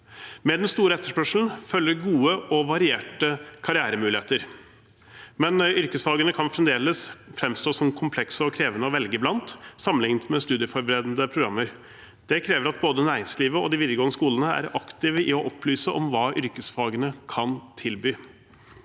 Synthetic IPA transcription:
mɛd̪ɛnst̪uːɾəɛt̪ːəʂpœʂln̩fœlːəɾɡuːəʔɔʋɑɾɪeːʈəkʰɑɾɪæːɾəmʉːlɪeːt̪əɾ | mɛnʏɾkəsfɑːɡənəkʰɑnfɾɛmd̪eːləsfɾɛmst̪oːsɔmkʰʊmpʰlɛksəɔkʰɾeːʋənəɔʋɛlɡəblɑnt̪sɑmːənɪŋnt̪mɛst̪ʉːd̪ɪəfɔɾbəɾeːd̪nd̪əpʰɾʊɡɾɑmːəɾ | d̪̥ɛkʰɾeːʋəɾɑt̪boːd̪ənæːɾɪŋsliːʋəɔd̪ɪʋɪd̪əɡoːnəskuːlənəæ̰ɾɑkt̪ɪʋəʔɪɔʔɔpʰlyːsəʔɔ̰mʋɑːʔʏɾkəsfɑːɡənəkʰɑnt̪ʰɪlbyː

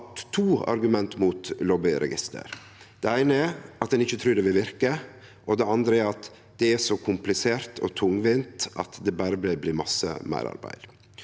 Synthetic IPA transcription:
t̪ʰːuːɑ̰ɾɡʉmɛnt̪muːt̪lɔːbɪɾɛ̰ɡɪst̪ʰə̰ɾ | d̪̥ɛæɪnəɛɾʔɑt̪̚d̪ɛnɪçːət̪ʰɾʉːɖ̪ɛʋɪlʋɪɾkə | ʔɔd̪ɛɑnd̪ɾəæɾɑt̪ | d̪ɛæʂɔkʰʊmplɪseːɾt̪ʰɔ̰t̪ʰʊŋʋɪnt̪ɑt̪d̪ɛbɑːɾəblæɪbliːmɑsːə̰mæ̰ɪɾɑ̰ɾbæ̰ɪd̪̥

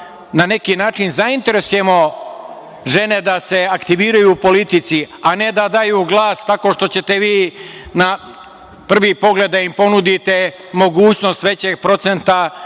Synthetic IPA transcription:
nane̞kinaːt͡ʃinzaint̪e̞ɾesuje̞mo̞ | ʒe̞ne̞d̪ase̞akt̪iʋiːɾajupo̞lit̪it̪siane̞d̪ad̪ajuːɡlˠaːst̪ako̞ʃt̪o̞t͡ɕet̪e̞ʋiːna | pr̩ʋipo̞ɡle̞d̪aimpo̞nud̪it̪e̞ | mo̞ɡuːt͡ɕno̞st̪ʋe̞t͡ɕe̞ɡ̚pɾo̞t̪se̞nt̪a

